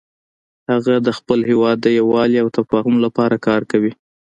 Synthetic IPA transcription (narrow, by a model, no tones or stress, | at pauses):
haɣad̪əxpəlɦewɑd̪ːəjawɑliawt̪afɑɦumlapɑɾakɑɾkawi